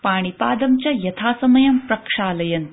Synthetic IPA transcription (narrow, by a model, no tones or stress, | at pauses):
paːɽ̃ipaːd̪ɐmt͡ɕɐjɐt̪ʰaːsɐmɐjɐmpɾɐkʂaːlɐjɐn